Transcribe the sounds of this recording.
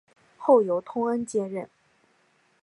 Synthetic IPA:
xo˥˩ʊjo˧˥ʊt̪ʰʊ˥ŋə˥nt͡ɕjɛ˥ɻə˥˩n

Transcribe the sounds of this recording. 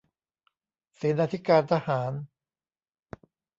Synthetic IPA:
seː˩˦naː˧t̪ʰi˦˥kaː˧nt̪ʰa˧haː˩˦n

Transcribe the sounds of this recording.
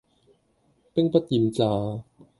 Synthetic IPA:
pe˥˨ŋpa˧˥t̪i˨˩mt͡saː˧˩

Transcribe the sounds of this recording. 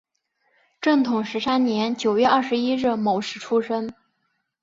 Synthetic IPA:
ʈ͡ʂɤ˥˩ŋt̪ʰʊ˨˩ŋʂɻ̩˧˥sa˥nnjɛ˧˥nt͡ɕjo˨˩ʊɥɛ˥˧ʔɐ˥˩ʂɻ̩˧˥i˥ɻ̩˥˩mo˧˩ʊʂɻ̩˥˩ʈ͡ʂʰu˥ʂə˥ŋ

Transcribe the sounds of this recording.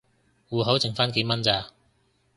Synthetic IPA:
wuː˨˧ɦo˨˥wt͡sʰɪ˨˩ŋfaː˥nke˨˧˥mɐ˥nt͡saː˧

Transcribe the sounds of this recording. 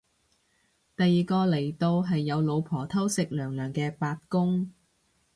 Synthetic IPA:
t̪ɐ˨jːiː˨kɔː˧le˨˩jt̪o˧wɦɐ˨jːɐ˨˧wlo˨˧wpʰɔː˨˩t̪ʰɐ˥wsɪ˨k̚lœː˨˩ŋlœː˨˩ŋkɛː˧paː˧t̚kʊ˥ŋ

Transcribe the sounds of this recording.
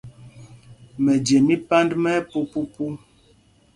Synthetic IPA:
mɛ˨d͡ʒe˨mi˦pa˦ndmɛ˦po˦pu˦pu˦

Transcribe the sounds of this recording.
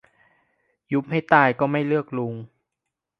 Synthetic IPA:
ju˦˥p̚ha˥˩jt̪aː˥˩jkɔː˥˩ma˥˩jlɯ˥˩ək̚lu˧ŋ

